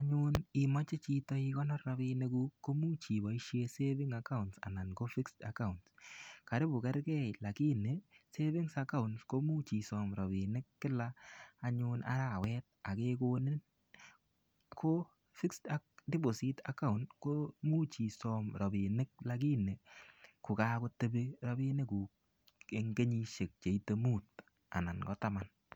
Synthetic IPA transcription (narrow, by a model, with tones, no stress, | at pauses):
a˦ɲʊ˦ni˨mɔ˦t͡ʃe˦t͡ʃi˦tɔ˦i˦kɔ˦nɔ˦rːa˦bi˦ne˦ɡu˦ko˦mu˦t͡ʃi˨bɔ˨i˦ʃje˦se˦bɪ˦ŋa˨ka˦ʊnsa̰˨na˨nko˦fi˦ksta̰˨ka˦ʊ˨ntska˨ɾɪ˦bʊ˨kɛ˦ɾkɛ˦la˨ki˦ne˨se˦βɪ˦ŋsa˦ka˦ʊ˨nsko˦mu˦t͡ʃi˨sɔ˨mɾɔ˨bɪ˨nɪ˦kːɪ˦laː˦˨ɲʊ˧na̰˦ɾa˦˨wɛ˦t̚a˨ke˦ko˦nɪ˦n | kʰo˦ | fi˦ksa˦k̚dɪ˦bo˨si˦ta̰˦kːa˦˨u˨nko˦mu˦t͡ʃi˨sɔ˨mɾɔ˨bi˨nɪ˦k̚la˨ki˦ne˨ku˨kaː˦ko˦te˦be˦ɾɔ˦bi˦ne˦ku˨ | e˨ŋɡe˦ɲi˦ʃe˨k̚t͡ʃe˨i˦te˦muː˦˨t̚ | a̰˨na˨nkɔ˦ta˦ma˨n